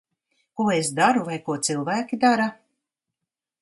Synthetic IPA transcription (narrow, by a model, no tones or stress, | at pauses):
kuɔesd̪aɾuvajkuɔt̪sɨlˠvæːkʲid̪aɾa